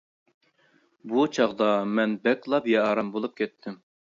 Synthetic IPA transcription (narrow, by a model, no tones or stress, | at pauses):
but͡ʃʰɑʁd̪ɑmɛnbɛkʲlˠɑpjɑɑɾɑmbolˠup̚kʲʰɛt̪ʰːɪm